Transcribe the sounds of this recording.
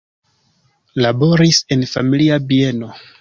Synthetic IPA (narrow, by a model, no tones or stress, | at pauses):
labo̞ɾise̞nfa̰miliabie̞no̞